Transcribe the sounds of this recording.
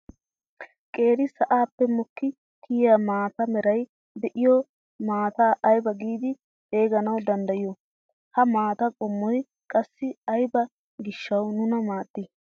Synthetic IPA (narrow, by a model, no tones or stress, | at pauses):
kʼe̞ːɾɪsɐʔaːpːɛmɔkːɪ | kʰɪːjamaːt̪ɐmɛɾɐj | d̪ɛʔɪjɔ | maːt̪aːʔɐjbɐɡiːd̪ɪ | he̞ːɡɐnɐwd̪ɐnd̪ɐjjɔ | hɐmaːt̪ɐkʼɔmːɔj | kʼɐsːɪɐjbɐ | ɡɪʃːɐwnʊnɐmaːt̪ʼːɪ